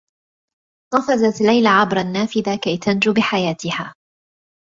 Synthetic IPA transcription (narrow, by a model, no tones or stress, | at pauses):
t̪ˤɑfɑzat̪lːajlaʕabɾˤanːaːfɪðakajt̪ʰand͡ʒʊbɪħajaːt̪ɪhaː